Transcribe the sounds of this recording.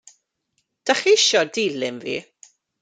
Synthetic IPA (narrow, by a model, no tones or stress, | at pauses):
d̥aχiɪʃɔdiːlɪmvḭː